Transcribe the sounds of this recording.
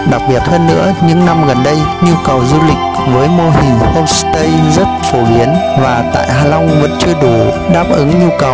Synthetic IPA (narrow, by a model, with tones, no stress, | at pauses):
ɗa˨˩k̚ɓi˨˩ət̚həː˧nːɨ̰˧˥əɲɨ̰˧˥ŋna˧mɣə˨˩nɗə˧j | ɲu˧kə˨˩wzu˧lï˨˩k̟̚vəː˨˦jmo˧ɦï˨˩ŋ̟xə˧wŋ͡mst̪ə˧jzə˦˥t̚fo˧˩ɓi˨˦ənvaː˨˩t̪a̰ː˧˨jɦaː˨˩la˧wŋ͡mvə̰˧˥nt͡ɕɨ˧əɗu˧˩ | ɗaː˦˥p̚ʔɨ˨˦ŋɲu˧kə˨˩w